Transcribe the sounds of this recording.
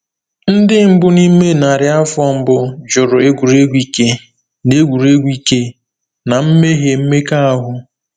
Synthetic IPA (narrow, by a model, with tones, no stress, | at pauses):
n̩˦dɪ˦m̩˦bʊ˦ni˦me˦na˨ɾɪ˨˦a˦fɔ˨m̩˦bʊ˦d͡ʒʊ˨ɾʊ˨e˦ɡʷu˨ɾe˦ɡʷi˦ke˦ | ne˦ɡʷu˨ɾe˦ɡʷi˦ke˦ | na˨m̩˦me˦ɦe˨m̩˦me˦ka˦a˦ɦʊ˦